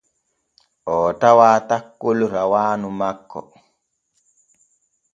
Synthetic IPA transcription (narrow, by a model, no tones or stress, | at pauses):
ʔɔːtawaːtakːolɾawaːnumakːɔ̰